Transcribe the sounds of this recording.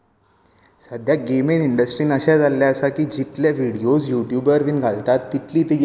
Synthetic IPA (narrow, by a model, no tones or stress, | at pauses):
səd̪ʱjaɡemeniɳɖəsʈɾiːnəɕad͡zalːjaəsakiːd͡ʑit̪ljaʋiɽijosjuʈjuːbəɾʋiːnɡʱalt̪at̪ːit̪liːt̪eɡ